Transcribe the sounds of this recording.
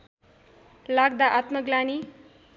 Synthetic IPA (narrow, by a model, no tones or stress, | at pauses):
laɡ̚d̪aʔat̪mʌɡlani